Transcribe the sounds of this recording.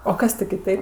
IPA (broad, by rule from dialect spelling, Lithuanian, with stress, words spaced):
oː ˈkɐs tʲɪ kʲɪˈtɐɪp